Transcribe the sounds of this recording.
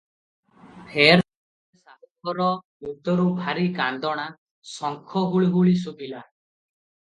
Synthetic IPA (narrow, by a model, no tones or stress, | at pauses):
hʰeɾ | esaɦɔkɔɾɔ | ut̪ːɔɾubʱaɾikand̪ɔɽ̃a | sɔŋkʰɔɦuɭɡuɭisukila